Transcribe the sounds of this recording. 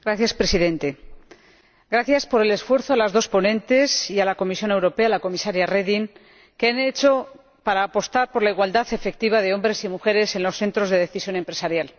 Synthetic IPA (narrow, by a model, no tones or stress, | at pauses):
ɡɾaθjaspɾe̞siðẽ̞nt̪e̞ | ɡɾaθjaspo̞ɾe̞le̞sfwe̞ɾθoalazðo̞spo̞nẽ̞nt̪e̞sialako̞misjo̞ne̞wɾo̞pe̞alako̞misaɾjareðiŋ | keane̞t͡ʃo̞ | paɾaːpo̞st̪aɾpo̞ɾlaiɣwald̪aθe̞fe̞k̚t̪iβ̞aðe̞o̞mbɾe̞simuxe̞ɾe̞se̞nlo̞sθe̞nt̪ɾo̞zðe̞ðe̞θisjo̞ne̞mpɾe̞saɾjal